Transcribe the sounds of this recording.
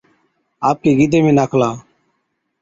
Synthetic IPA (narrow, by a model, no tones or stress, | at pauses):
aːp̚keːɡiːd̪eːmẽːnaːkʰlãː